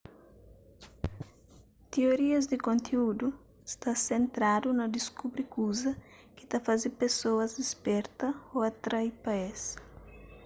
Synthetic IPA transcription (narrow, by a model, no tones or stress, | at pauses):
t̪eoɾiɐzd̪ɪkõnt̪ʰeud̪u | st̪asẽnt̪ɾad̪unɐd̪iskubɾikuzɐ | ki̥t̪afazepesoɐzispɛɾt̪ɐoɐt̪ɾajpaɛs